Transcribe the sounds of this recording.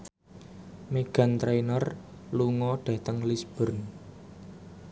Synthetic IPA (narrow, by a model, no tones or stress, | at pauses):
meɡ̥ä̤nt̪ɾejnər | luŋɔɖ̥ä̤t̪əŋlisb̥ə̤rn